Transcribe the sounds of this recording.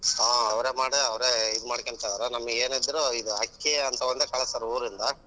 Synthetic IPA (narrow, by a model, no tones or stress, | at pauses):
aːɐʋɾeːmaːɽɯɐʋɐɾeːid̪ɯmaːɽkɐɳsad̪aːɾanɐmːɐeːnid̪ɐɾoiðuɐkːeɐnt̪ɐʋɐnd̪ɐkɐɭɐsaːɾuːɾind̪ɐ